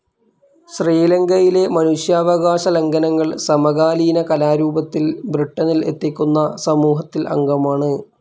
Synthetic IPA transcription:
ɕriːlɐŋɡɐjile̞mɐnuɕjaːʋɐɣaːɕɐle̞ŋɡɐnɐŋːɐɭsɐmɐɣaːliːnɐkɐlaːɾuːbɐt̪ːilbriʈːɐnile̞̰t̪ːikʲːunːɐsɐmuːɦɐt̪ːilʔɐ̰ŋɡɐmaːɳɨ

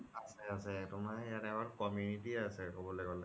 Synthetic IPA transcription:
asɛasɛtʊmajatɛbaɹkɔmjunitiasɛkɔbɔlɛɡɔlɛ

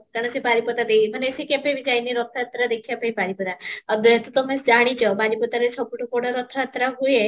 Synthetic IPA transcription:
kaɾɽ̃əsepaɾipɔt̪ad̪ejmaneesekepebid͡ʒajniɾɔt̪ʰat̪ɾad̪ekʰijapaipaɾipɔt̪aəɡet̪ut̪ɔmesd͡ʒaɽ̃it͡ʃʰɔbad͡ʒipɔt̪aɾet͡ʃʰɔpuʈʰukoɽaɾɔt̪ʰɾat̪ɾaɦuje

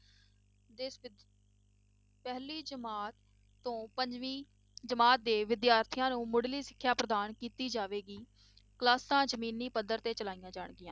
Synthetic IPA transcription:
d̪ɪs | pɛɦliːd͡ʒəmaːt̪ː | õːpəɲd͡ʒʋiː | d͡ʒəmaːt̪̚d̪eːʋɪd̪jaːɾt̪ʰijãːnũːmʊɽliːsɪ̥kʰːjaːpɾəd̪aːnkiːt̪iːd͡ʒaːʋeːɡiː | klaːsãːd͡ʒəmiːniːpəd̪əɾt̪eːt͡ʃəlaːijãːd͡ʒaːɳɡɪjãː

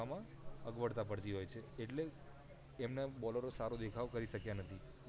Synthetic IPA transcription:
amã | əɡʋəɽt̪apəɽt͡ʃiɦojt͡ʃʰeeʈleː | mnebɔləɾosaɾod̪ekʰaʋkəɾiʃəkjanət̪ʰi

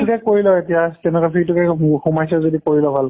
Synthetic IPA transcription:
ukɛkoɹilɔetijatɛnɛkɔpʰiɹitukɛxumajsɛzodikoɹilɔbʱal

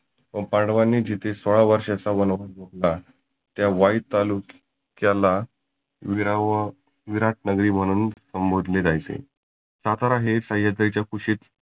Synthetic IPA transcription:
pəɳpaɳɖʋanːiːd͡ʑit̪ʰesəɭaʋəɾʂasaʋənʋaɡʱoɽla | t̪jaʋait̪aluk | kjala | ʋiɾ | ʋiɾaʈ̚nəɡɾiːm̤əɽ̃uːnsəmbod̪ʱled͡zajt͡sḛ | sat̪aɾaɦesəjad̪ɾet͡ɕjakʰuɕiːt͡s

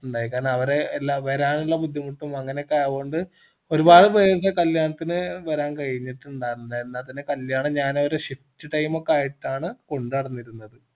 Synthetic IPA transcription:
uɳɖaːjikːaːrnɐʋɐɾelːaːʋɐɾaːnuɭːɐbud̪ʱjimuʈːumɐŋːɐnekːeʋoːɳɖɨ | o̞ɾubaːðɨpɐt͡ɕɐkɐljaːɳɐt̪ːinɨʋɐɾaːnkɐɻiɲːiʈːuɳɖaːjɾnːdɐenːaːlt̪ɐnekɐljaːɳɐɲaːnoɾuɕitːɨʈɐjmo̞kːeaːjiʈːaːɳɨko̞ɳɖɨɐɽɐnːiɾunːɐðɨ

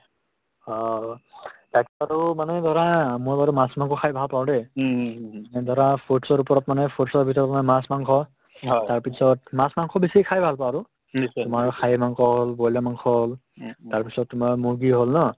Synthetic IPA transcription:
ɔ | takɛaɹumanɛdʱɔɹamʊɹbaɹumasmaŋkʰɔkʰajbʱalpaɹdɛ | manɛdʱɔɹapʰotsɔɹupɔɹɔtmanɛpʰotɔsɔɹbʱitɔɹɔtmanɛmasmaŋkʰɔ | taɹpisɔtmasmaŋkʰɔbisikʰajbʱalpaaɹu | ʊmaɹkʰajmaŋkʰɔɦolbɔjlamaŋkʰɔl | taɹpisɔtːʊmaɹmuɹɡiɦolnɔ

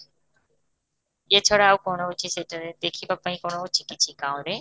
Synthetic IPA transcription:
et͡ɕʰɔɽaawkɔnout͡ʃʰiseʈaɾed̪ekʰibapːaĩkonout͡ʃʰikit͡ɕʰikãw̃ɾe

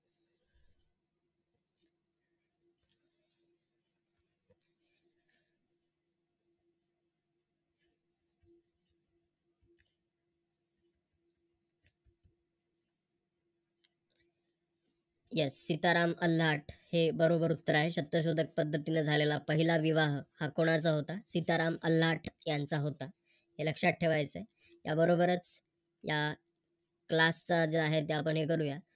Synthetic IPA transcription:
jesːit̪aɾaməl̤aʈʰhebəɾobəɾut̪ːəɾaɦeɕət̪jəɕod̪ʱək̚pəd̪ʱːət̪inəd͡zʱalelapəɦilaʋiʋaɦhakoɽ̃at͡saɦot̪asit̪aɾaməl̤aʈʰjant͡saɦot̪a | ɦeləkʂaʈ̚ʈʰeʋajt͡səe | ja̰bəɾobəɾət͡s | ja | klast͡sad͡zeaɦet̪̬jaapəɳɦekəɾuja

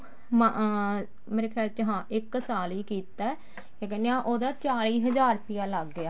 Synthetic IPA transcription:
m | meːɾeːkʰaːlt͡ʃəɦãːʔɪksaːliːkiːt̪aː | jãːk̬ɛ̃ːndeãːʔoːd̪aːt͡ʃaːliːɦəd͡ʒaːɾpɪjaːləɡːɪaː

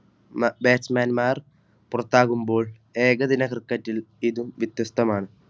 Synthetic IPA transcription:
mbeːsmaːnmaːr | purɐt̪ːaːɣumbo̞ːɭ | eːɣɐðinɐkrikːɐtːiliðumʋit̪jɐst̪ːɐmaːɳɨ

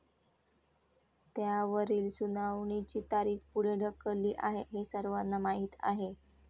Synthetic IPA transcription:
t̪jaʋəɾiːlsunaʋɳ̃it͡ɕiːt̪aɾiːkpuɽ̤ɽəkəliːʔaɦeɦesəɾʋanːamaɦiːt̪a̰ɦe

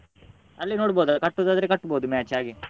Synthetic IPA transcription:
ɐlːinoːɖboːd̪akɐʈːud̪aːd̪ɾekɐʈːboːd̪umaːt͡ʃaːɡi

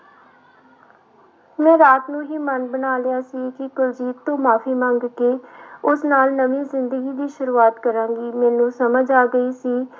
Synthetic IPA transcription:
mɛ̃ːɾaːt̪nũːɦiːmənbənaːlɪjaːsiːkɪkʊld͡ʒiːt̪ːõːmaːfʰiːmə̃ŋɡkeːʊsnaːlnəʋĩːzɪnd̪əɡiːd̪iːʃʊɾuːaːt̪kəɾãːŋɡiːmɛ̃ːnũːsəməd͡ʒaːɡəiːsiː

